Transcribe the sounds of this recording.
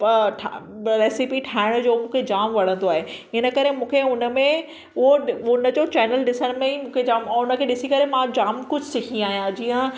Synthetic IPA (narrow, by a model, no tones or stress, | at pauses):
ʈʰa | ɾeːsipiʈʰaːɪɽ̃d͡ʑoːmũːkʰed͡ʑaːmʋɐɽ̤ə̃nd̪oaːɦeɪnə̆kɐɾemũːkʰeʊnə̆mẽ | ʊɦoʊnəd͡ʑoːt͡ɕɛːnəlɗɪsəɽmẽimũːkʰed͡ʑaːmʊnə̆kʰeɗɪsikɐɾemãd͡ʑaːmkʊd͡ʑʱsɪkʰĩaːɦijãd͡ʑiːə̃